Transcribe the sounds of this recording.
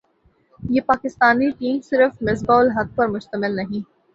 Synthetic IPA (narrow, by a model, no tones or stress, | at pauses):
jeːpaːkɪst̪aːniʈiːmsɪɾəfmɪs̬bɔːlɦɐd̪̚pɐɾmʊʃt̪əmɪlnɐɦĩː